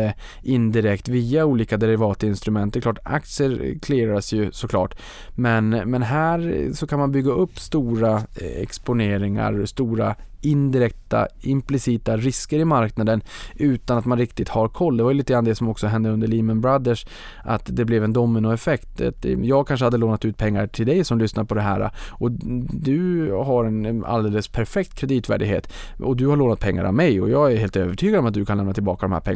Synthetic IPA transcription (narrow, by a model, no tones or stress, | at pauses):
ə | ʔɪnd̪ɪɾɛkt̪viːauːliːkad̪ɛɾɪvɑːt̪ɪnst̪ɾɵmɛnt̪d̪ɛklɑːʈa̰k̚t̪sɪəɾkʰleːɾad̪əsjɵsɔkʰlɑ̰ːʈ | mɛnmɛnɦæːɾsɔkʰanmanbʏɡːaɵpːst̪uːɾaɛ̰kspʊneːɾɪŋa̰ɾst̪uːɾa | ɪnd̪ɪɾɛk̚t̪a̰ɪmplɪsiːt̪aɾɪskəɾɪmaɾknad̪ənʉ̟ːt̪anat̪manɾɪkt̪ɪt̪haɾkʰɔlːd̪ɛvaɾjʏliːt̪əɡɾanːd̪ɛsɔmɔksɔɦɛnd̪əɵnd̪əɭiːmənbɾad̪əʂ | ʔa̰t̪d̪ɛblɛvɛnd̪ɔmːɪnʊɛfɛkt̪a̰t̪jɑːɡkʰanʂ̬əhad̪ːəloːnat̪ʉ̟ːt̪̚pʰɛŋːaɾʈʰɪld̪ɛjsɔmlʏsnaɾpʰɔd̪ɛɦæːɾa̰ʔɔd̪ɵɦaɾɛna̰ld̪eːləspʰæɾfɛk̚t̪kʰɾɛd̪iːt̪væ̰ːɖɪɡhḛːt̪ | ɔd̪ɵhaɾɭoːnat̪̚pʰɛŋːa̰ɾʔa̰mːɛjɔ̰jɑːɡæɾheːlt̪øːvəʈʰyːɡad̪ɔmat̪d̪ɵkʰanlɛmnat̪ʰɪlbɑ̰ːkad̪ɔmhæ̰ːɾpʰɛ̰ŋ